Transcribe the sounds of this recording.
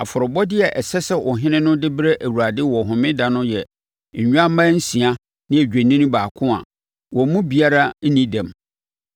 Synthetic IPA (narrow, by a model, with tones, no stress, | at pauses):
a˨fɔ˨ɾɔ˨bɔ˦dɪ˦ɛ˨ʔɛ˨sɛ˦sɛ˦ʔɔ˨ɦɪ̃˦nɪ̃˦nʊ̃˦dɪ˦bɾe˦ʔæ˨wu˨ɾa˨dɪ˦wɔ˨ɦʊ̃˨mɪ̃˦dã˨nʊ̃˦jɛ˨ | ɲ̩˨ɲᶣ˦ã˦mã˦n̩˦sĩ˨a˦ | nɪ̃˦æ˨d͡ʑᶣe˨nĩ˦nʊ̃˦baː˨kʰʊ̃˦a̰˨ | wɔ˨˦mũ˦bi˨a˦ɾa˦n̩˦nĩ˦dɛ̃˨m